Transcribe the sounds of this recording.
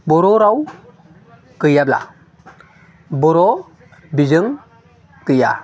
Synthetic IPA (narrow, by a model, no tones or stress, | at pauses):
bɔɾɔɾaw | kɯjabla̰ | bɔɾɔ | bizɯŋ | kɯja̰